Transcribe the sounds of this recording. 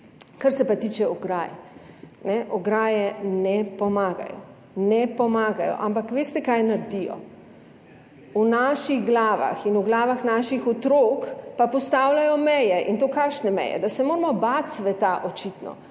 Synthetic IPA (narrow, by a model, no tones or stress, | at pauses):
kaɾsɛpat̪iːt͡ʃɛɔɡɾaːjɛnɛʔɔɡɾaːjɛnɛpɔmaːɡa̰jɔ̰ | nɛpɔmaːɡajɔ̰ʔampakʋeːst̪ɛkajnaɾd̪ijɔ̰ | unaʃiɣɡlaːʋa̰xinuɡlaːʋaxnaːʃixɔt̪ɾokpapɔst̪awlʲajɔmɛjɛʔint̪oːkakʃnɛmɛ̰jɛ̰d̪asɛmoːɾmɔbat̪sʋɛt̪aʔɔt͡ʃit̪nɔ̰